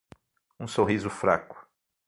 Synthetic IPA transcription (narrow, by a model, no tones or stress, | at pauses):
ũsoɦizʊfɾa̰kʊ̥